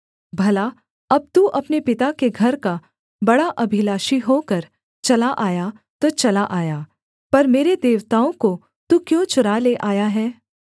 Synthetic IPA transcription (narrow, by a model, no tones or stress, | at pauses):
bʱɐla | ɐb̚t̪uʔɐpnepɪt̪akeɡʱɐɾka | bɐɽaʔɐbʱɪlaːʃiɦokɐɾ | t͡ʃɐlaʔaːja | t̪ot͡ʃɐlaʔaːjaː | pɐɾmeːɾed̪eːʋt̪aːõko | t̪ukjõːt͡ʃʊɾaleʔaːjaɦɛː